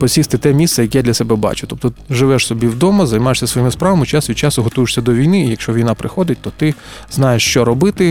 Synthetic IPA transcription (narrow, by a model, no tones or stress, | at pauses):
pɔsʲist̪ɪt̪ɛmʲist̪sɛjɐkʲɛjad̪ʲlʲɐsɛbɛbɑ̰t͡ʃʊt̪ɔp̚t̪ɔʒɪʋɛʂsɔbʲiwd̪ɔmɐzɐjmɑjeʃsʲɐsʋɔjimɪspɾɑʋɐmɪt͡ʃɑsʋʲid̪̚ʲt͡ʃɑsʊɦɔt̪ujɪʂsʲɐd̪ɔʋʲijnɪijɐkʃt͡ʃɔʋʲijnɑpɾʔɪxɔd̪ɪtʲt̪ɔt̪ɪ | znɑjeʂt͡ʃɔɾɔbɪt̪ɪ